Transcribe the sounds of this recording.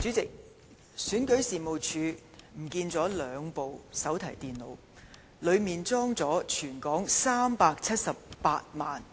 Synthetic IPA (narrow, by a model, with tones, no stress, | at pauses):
t͡syː˨˥t͡sɪ˨k̚ | syː˨˥nkɵ˨˥ɥsiː˨mo˨wt͡ʃʰyː˨˧ | m̩˨˩kiː˧nt͡sɔː˨˥lœː˨˧ŋpo˨wsɐ˨˥wt̪ʰɐ˨˩jt̪iː˨nlo̰˨˧w | lɵ˨˧ɥmiː˨nt͡sɔː˥ŋt͡sɔː˨˥t͡ʃʰyː˨˩nkɔː˨˥ŋsaː˥mpaː˧k̚t͡sʰɐ˥t̚sɐ˨p̚ːaː˧t̚ma̰ː˨n